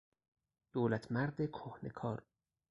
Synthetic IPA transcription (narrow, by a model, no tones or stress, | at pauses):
d̪̥oːlæt̪ʰmæɾd̪ekʰohne̞̰kʰɒːɾ